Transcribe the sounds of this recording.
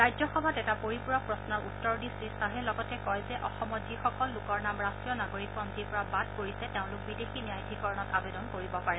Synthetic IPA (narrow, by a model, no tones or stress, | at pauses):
ɹajzɔxɔbʱatɛtapoɹipuɹɔk̚pɹɔsnɔɹutːɔɹdisɹistaɦɛlɔɡɔtɛkɔjzɛʔɔxɔmɔtzixɔkɔlːʊkɔɹnamɹastɹijɔnaɡoɹik̚pɔmzipɔɹabad̚koɹisɛteʊ̃lʊk̚bidexiniajdʱikɔɹɔnɔtabedɔnkoɹibɔpaɹɛ